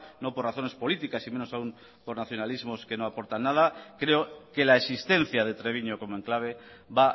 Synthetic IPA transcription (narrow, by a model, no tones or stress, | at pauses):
no̞poraθo̞nespo̞lit̪ikasime̞no̞saum | po̞ɾnaθjo̞nalizmo̞ske̞no̞apo̞ɾt̪anːað̞akɾe̞oke̞laesist̪e̞n̟θjað̞e̞t̪ɾe̞β̞iɲoko̞moe̞ŋklaβ̞e̞ | βa